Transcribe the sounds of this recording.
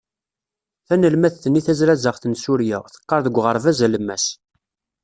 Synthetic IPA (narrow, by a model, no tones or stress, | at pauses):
θænəlmæθθənːiθæzɾæzəʁθənsuɾjæ̰θə̥qːɑɾˤðəɡʷːʁəɾˤvæzæləmːæs